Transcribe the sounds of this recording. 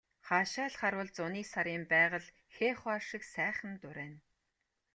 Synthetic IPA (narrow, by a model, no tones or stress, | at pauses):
χaːʃaːɮχaɾwʊ̆ːɮt͡sʊniːsaɾiːmpæːʁə̆ɮ | xeːχʊarʃɪ̆ksæːχə̆nt̪ʊɾæːn